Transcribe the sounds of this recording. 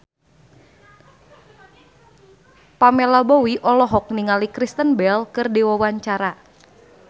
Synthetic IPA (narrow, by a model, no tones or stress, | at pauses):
pamelɔbowiʔɔlɔɦɔk̚niŋalikɾist̪ənbɛlkərdewɔwaɲt͡ʃaɾa